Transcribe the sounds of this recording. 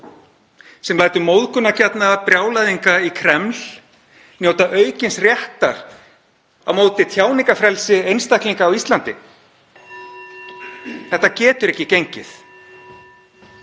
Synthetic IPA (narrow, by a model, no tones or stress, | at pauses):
sɛmlaːjt̪ʏmowðkʏnːacɛt̪napɾjaːwlajðiŋkaikʰɾɛml | njowt̪aʔœːɥcɪnsrjɛht̪aɾ | a̰wmoːwt̪ɪt̪ʰjaːwniŋkafɾɛlsɪejnst̪ahkliŋkaːwist̪lant̪ɪ̰ | θɛht̪ːacɛːt̪ʏɾɛhcɪcejɲcɪθ